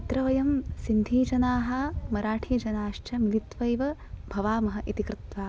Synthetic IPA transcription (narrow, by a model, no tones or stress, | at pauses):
pɐt̪ɾɐʋɐjɐmsind̪ʱiːd͡ʒɐnaːɦɐmɐɾaːʈʰiːd͡ʒɐnaːʃt͡ʃʰɐmilit̪ʋɐjʋɐbʱɐʋaːmɐɦɐʔit̪ikɾut̪ʋaː